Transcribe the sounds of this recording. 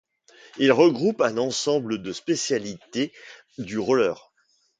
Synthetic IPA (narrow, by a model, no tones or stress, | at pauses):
ilʁəɡʁupɛ̃nɑ̃sɑ̃bləd̪əspesjalit̪e | d̪yʁɔlœːʁ